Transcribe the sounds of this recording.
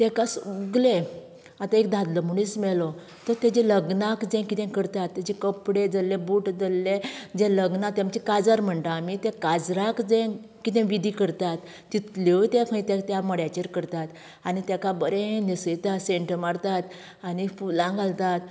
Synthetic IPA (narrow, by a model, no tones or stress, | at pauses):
t̪ɛkasuɡle | at̪ãek̚d̪ʱãd̪ləmuɽ̃ismɛlɔ | t̪əɾt̪ɛd͡ʑeləɡnakd͡zɛ̃kit̪ɛ̃kəɾt̪at̪ːad͡ʑekəpɽed͡zəlːebuʈd͡zəlːed͡ʑeləɡnat̪jãmt͡ɕɛkad͡zəɾm̤əɳt̪aːmit̪ɛ̃kad͡zɾakd͡zɛ̃ | kit̪ɛ̃ʋid̪ʱikəɾt̪at̪ːit̪let̪ɛ̃kʰə̃ĩt̪ɛ̃t̪jaməɽjat͡ɕeɾkəɾt̪at̪ | anit̪ɛkabəɾẽnisəjt̪aseɳʈəmaɾt̪at̪ | anifulãŋɡʱalt̪at̪